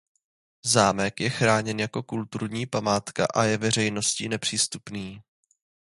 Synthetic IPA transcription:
zaːmɛkjɛxɾaːɲɛnjako̞kult̪uɾɲiːpamaːt̪ka̰ʔajɛvɛr̝ɛjno̞sciːnɛpr̝̥iːst̪upniː

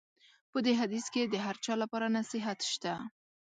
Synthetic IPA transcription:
pəd̪eɦad̪isked̪əɦaɾt͡ʃɑlapɑɾanasɪɦat̪ʃt̪a

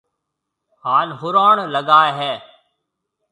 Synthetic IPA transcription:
haːnɦʊɾaːɳləɠaːeɦɛː

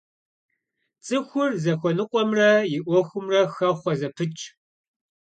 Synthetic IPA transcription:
t͡sʼɨxʷʊrzɐxʷɔnɨqʷʼɔmrɐjɪʔʷɔxʷʊmrɐxɐχʷɔzɐpʰɨt͡ʃʼ

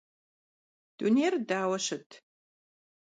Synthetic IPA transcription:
d̥uneːrdaːwɐɕɐtʰ

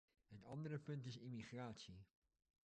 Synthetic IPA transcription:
ətɑndərəpɵntɪsimiχraːtsi

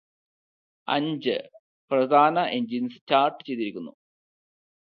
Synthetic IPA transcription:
ɐ̰ɲd͡ʑɨ | prɐd̪ʱaːnɐʔeɲd͡ʑinstaːrʈːɨ̥t͡ɕe̞jt̪ːiɾikʲːunːu

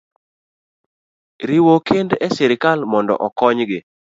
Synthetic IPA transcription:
ɾɪwokendɛsɛɾɪkalmɔndɔ̰ʔɔkɔɲɡɪ

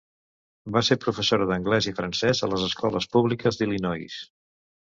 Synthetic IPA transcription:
baseɾpɾufəsoɾəðəŋɡlɛzifɾənsɛzələzəskɔləspuβlikəzðilinɔjs

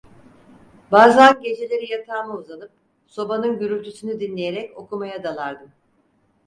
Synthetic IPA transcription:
baːzanɟe̞d͡ʒe̞lʲe̞ɾijat̪ʰaːmɯuzanɯp̚ | so̞banɯnɟyɾylʲt̪ʰysynyd̪inlʲe̞je̞ɾɛco̞kʰumajad̪alˠaɾd̪ɯm

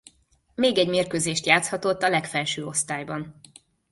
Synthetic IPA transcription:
meːɡɛɟmeːrkøːzeːʃt̪jaːt̪shɒt̪o̞t̪ːɒlɛkfɛlʃøːo̞st̪aːjbɒn

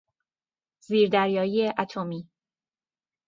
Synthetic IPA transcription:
ziːɾd̪æɾjɒːiːeʔæt̪ʰomiː

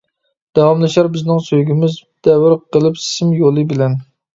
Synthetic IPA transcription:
d̪̥ɑwɑmlˠɨʃɑɾbɪznɪŋsøjɡʲimɪzd̪̥ɛwɪɾqʰəlˠɨpsɪ̥sɪmjolˠɨbɪlɛn

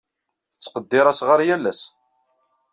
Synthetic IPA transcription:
θət͡sːqəd̪ːɪɾˤæsʁəɾjælːæs

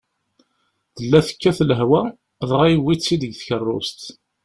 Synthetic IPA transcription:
ðəlːæθə̥kːæθləɦwæ | ðˤʁˤɑjwːisːid̪əɡθçərˤːʊ̰st̪

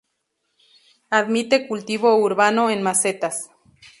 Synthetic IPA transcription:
aðmit̪ekult̪iβouɾβanoenmaset̪as

